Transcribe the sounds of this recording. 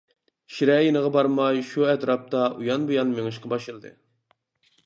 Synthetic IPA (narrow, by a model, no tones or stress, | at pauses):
ʃiɾɛjinəʁɑbɑɾmɑjʃuɛt̪ɾɑp̚t̪ɑujɑnbojɑnmeŋɨʃqɑbɑʃɨlˠd̪ɨ̰